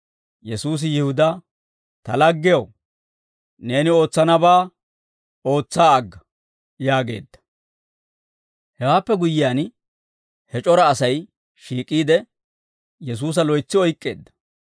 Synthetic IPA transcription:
jɛsuːs̬ɪjɪhʊd̪ɐ | t̪ɐlɐɡːɪjɐw | ne̞ːnɪo̞ːt͡sːɐnɐbaː | o̞ːt͡sːaːɐɡːɐ | jaːɡe̞̰ːd̪ːɐ̥ | hɛwaːpːɛɡʊjɪjaːn | hɛt͡ʃʼɔɾɐːsɐj | ʃiːkʼːiːd̪ɛ | jɛs̬uːs̬ɐlɔjt͡sːɪɔjkʼːe̞̰ːd̪ːɐ̥

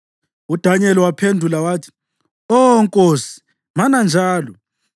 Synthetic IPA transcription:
ud̥ʱaɲɛliwapʰendʱulawaːtʰi̥ | ɔŋkʼoːsi̥ | manand͡ʒʱaːlɔ

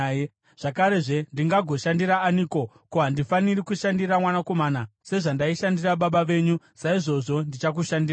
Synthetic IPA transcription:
ʐ̥akaɾeʐe̞ndiŋɡaɡʱo̞ʃandiɾaːniːko̞ | kuɦandifanirikuʃandiɾamwanako̞maːnase̞ʐandaiʃandiraɓaɓaʋe̞ːɲu | saiʐo̞ʐo̞ndit͡ʃak̬uʃandira

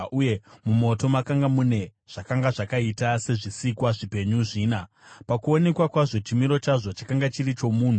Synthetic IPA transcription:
uje̞mumo̞to̞makaŋɡamune̞ | ʐ̥akaŋɡaʐakaitase̞ʐisikwaʐipe̞ɲuʐiːna | pakuo̞ne̞kwakwaʐo̞t͡ʃimiɾo̞t͡ʃaʐo̞t͡ʃakaŋɡat͡ʃirit͡ʃo̞muːn̤u

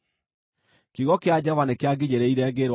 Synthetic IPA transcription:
kiɣɔkead͡ʑavanekeaɡeɲeɾɛiɾɛɣeɾw

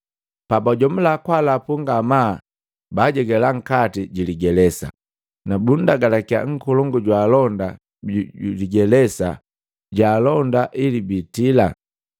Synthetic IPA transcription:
pabaɟɔm̩lakwalapuŋɡamaː | baːɟɛɡɛlaŋ̩katiɟiliɡɛlɛsa̰ | nabundaɡalakia̰ŋ̩kɔlɔŋɡuɟwaːlɔnda | uliɡɛlɛsa̰ | ɟaːlɔndaʔilibitila

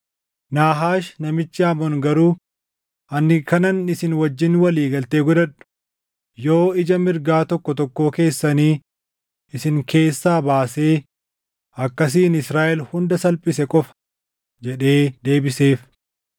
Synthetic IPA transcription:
naːɦaːʃnɐmɪt͡ʃːɪɐmɔŋɡɐɾuː | ʔɐnːɪkɐnɐnɪsɪnwɐd͡ʒːɪnwɐliːɡɐlt̪eːɡʊd̪ɐᶑʊ̥ | jo̞ːɪd͡ʒɐmɪɾɡaːt̪ɔkːɔt̪ɔkːo̞ːke̞ːsːɐniː | ɪsɪŋkʰe̞ːsːaːbaːse̞ː | ɐkːɐs̬iːnɪsɾaːʔɛlhʊnd̪ɐsɐlpʼɪsɛkʼɔfɐ̥ | d͡ʒɛᶑe̞ːd̪e̞ːbɪse̞ːf

